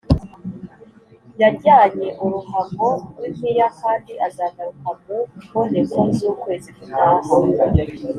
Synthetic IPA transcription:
jaɾɟaːɲeʔuɾuhamɡoukijakaːdiʔazaɡaɾuhamɡokondekomzuːkwe̞ːzikunaːha

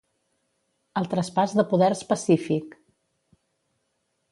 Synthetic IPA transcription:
əlˠt̪ɾəspazðəpuðɛɾspəsifik

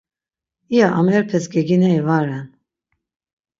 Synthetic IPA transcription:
ijaʔamɛɾpʰɛsɡɛɡinɛivaɾɛn

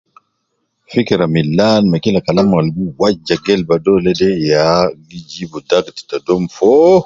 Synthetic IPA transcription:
fikɾamilːaːnmakilakalamalbuwad͡ʒaɡɛlbadɔlɛdɛjaɡid͡ʒibɔdaɡti̥tadɔmfɔ

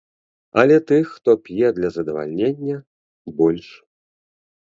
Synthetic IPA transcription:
ɐlʲɛt̪ɨxːt̪ɔpʲjɛd̪lʲɐzɐd̪ɐva̰lʲnʲenʲːɐ | bɔlʲʂ

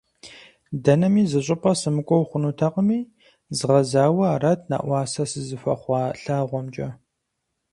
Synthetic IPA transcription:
dɐnɐmiːzɨɕʼɪpʰʼɐsɨmɨkʷʼɔwχʷʊnuːtʰaqʼəmiː | zɨʁɐzaːwɐaːrɐtʰna̰ːʔʷɑːsɐsɨzɨfɐχʷɑːɬaːʁʷɔmt͡ʃʼɐ

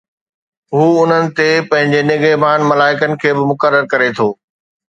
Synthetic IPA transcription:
ɦuːʊn̤ənɪ̆t̪epɐ̃ɦɪ̃ɲd͡ʑenɪɡeːbʱaːnmɐlaːɪkənɪ̆kʰeːbɪmʊkəɾːəɾkɐɾet̪ʰoː

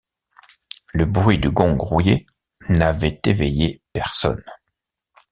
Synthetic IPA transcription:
ləbʁɥid̪əɡɔ̃ɡʁuje | navɛt̪evɛjepɛʁsɔ̰n

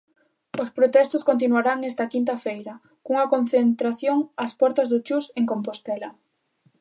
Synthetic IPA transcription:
ʊspɾot̪ɛst̪ʊskont̪̬inwaɾaŋɛst̪ɐkint̪̬ɐfejɾɐ | kuŋɐkon̟θent̪ɾaθjoŋaspɔɾt̪ɐzðʊt͡ʃuseŋkompost̪ɛlɐ

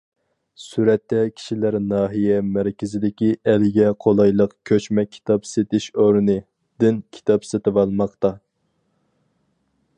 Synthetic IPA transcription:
syɾɛt̪ːɛkʲʰi̥ʃilæɾnɑːɦijɛmæɾkʲɪzɪd̪ɪkʲiɛlɪɡʲɛqʰolˠɑjlˠəqkʲʰøt͡ʃmɛkʲʰi̥t̪ʰɑpset̪ɪʃoɾɨnɨ | d̪̥ɪnkʲʰi̥t̪ʰɑpset̪ɪvɑlˠmɑqt̪ɑ

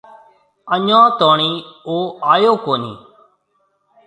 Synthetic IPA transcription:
əɲãːt̪oːɳiːoːaːjoːkoːnḭː

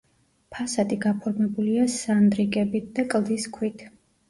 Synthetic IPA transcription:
pʰasad̪iɡapʰɔɾmɛbuliasand̪ɾiɡʼɛbit̪̚ʰd̪akʼlˠd̪iskʰwit̪ʰ

